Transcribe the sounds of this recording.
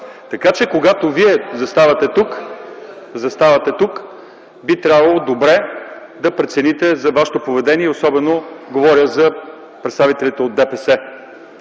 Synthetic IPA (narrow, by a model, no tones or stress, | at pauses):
t̪ɐkat͡ʃɛkoɡat̪oviɛzɐst̪avɐt̪ɛt̪uk | zɐst̪avɐt̪ɛt̪uk | bit̪ɾʲabvɐlˠod̪obɾɛ | d̪ɐpɾɛt̪sɛnit̪ɛzɐvaʃɛ̥t̪opovɛd̪ɛniɛosɔbɛnoɡovɔɾʲjəzɐ | pɾɛt̪st̪avit̪ɛlʲit̪ɛod̪ːɛpɛsɛ